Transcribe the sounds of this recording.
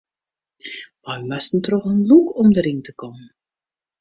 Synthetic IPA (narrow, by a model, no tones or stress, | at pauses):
ʋajmasn̩trɔxənlukɔmdərintəkɔmən